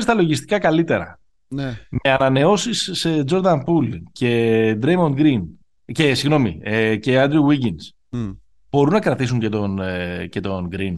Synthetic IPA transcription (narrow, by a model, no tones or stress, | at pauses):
st̪ɐlo̞ʝist̪i̥kɐkɐlit̪e̞ɾɐ̰ | neme̞ɐnɐne̞o̞sised͡ʒo̞ɾðɐmpulcʰe̞d̪ɾejmo̞nɡɾin | cesiɣno̞mḭce̞ɐnd̪ɾiwiɟins | b̥o̞ɾunɐkɾɐt̪isuɲce̞t̪o̞nce̞t̪o̞nɡɾin